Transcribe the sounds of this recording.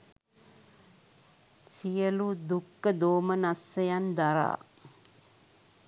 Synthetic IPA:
sijəlud̪ukːəd̪oːmənasːəjand̪aɾa̰ː

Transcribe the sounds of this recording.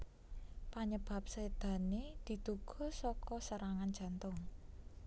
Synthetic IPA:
paɲəb̥a̤p̚sed̪̥a̤ned̪̥i̤d̪̥uɡ̥ɔ̤sɔkɔsəɾaŋan̥d͡ʒ̥ä̤nt̪ʊŋ

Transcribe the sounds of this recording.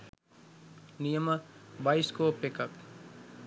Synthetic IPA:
nijəmbaːiskopekəp

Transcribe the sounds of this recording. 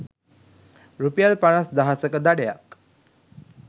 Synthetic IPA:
ɾupijalpaɳasd̪aɦasəkəd̪aɽeja̰k

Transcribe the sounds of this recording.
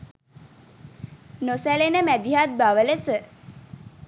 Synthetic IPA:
nosælenəmæd̪iɦat̪̚baʋələsə

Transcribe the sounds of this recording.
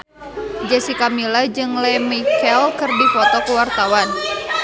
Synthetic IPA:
d͡ʒɛsikamilad͡ʒɨŋlɛmikɛlkɨrdifɔt̪ɔkəwart̪awan

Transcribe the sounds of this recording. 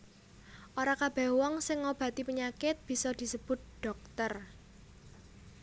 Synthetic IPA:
ʔoɾakab̥ɛ̤hwɔŋsɪŋːob̥ä̤t̪ipəɲakɪt̪̚b̥i̤sɔd̪̥i̤səb̥ʊt̪̚ɖ̥ɔ̤k̚t̪ər

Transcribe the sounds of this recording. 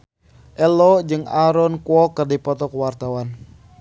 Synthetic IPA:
ʔɛlɔd͡ʒɨŋaɾɔnkuɔkərdipɔt̪ɔkəwart̪awan

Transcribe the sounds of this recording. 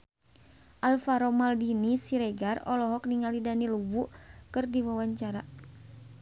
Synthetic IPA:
ʔalfaɾɔmaldinisiɾɛɡarɔlɔɦɔk̚niŋalidanilubukɨrdiwawaɲt͡ʃaɾa

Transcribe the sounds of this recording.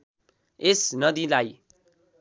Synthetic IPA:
esnʌd̪ilaj

